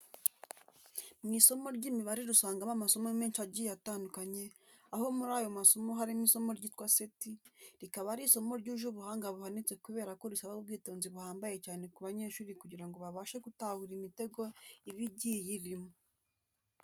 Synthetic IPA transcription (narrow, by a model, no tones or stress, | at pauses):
mŋiːso̞mo̞ɾɟimiβaɾiɾusaːŋɡamamaso̞momeːnʃaɟijataːndukaɲe̞ | aho̞muɾaːjo̞maso̞mo̞ɦaɾimiso̞mo̞ɾɟiːtkwasetiɾikaβaɾiso̞mo̞ɾɟuʒuβuhaːŋɡaβuhanit͡se̞kuβe̞ːɾako̞ɾisaβabɡiːto̞ːnziβuhaːmbaje̞caːne̞kuβaɲe̞ːʃuːɾikuɟiɾaŋɡo̞βaβaːʃe̞ɡutahuɾimite̞ɡo̞iβiɟiːjiɾimo